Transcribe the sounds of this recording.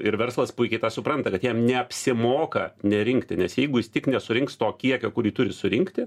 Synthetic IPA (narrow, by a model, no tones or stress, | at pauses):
ɪɾʋʲɛrslˠɐspʊɪkʲɛɪt̪ɑːsʊpɾɐnt̪ɐkɐt̪jiɛmnʲɛɐpʲsʲɪmoːkɐnʲɛɾʲɪŋkt̪ʲɪnʲɛsjɛɪɡʊjɪst̪ʲɪknʲɛsʊɾʲɪŋkst̪oːkʲiɛkʲoːkʊɾʲiːt̪ʊɾʲɪsʊɾʲɪŋkt̪ʲɪ